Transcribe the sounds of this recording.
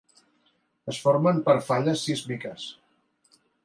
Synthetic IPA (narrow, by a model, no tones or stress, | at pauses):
əsfoɾməmpəɾfaʎəsːizmikəs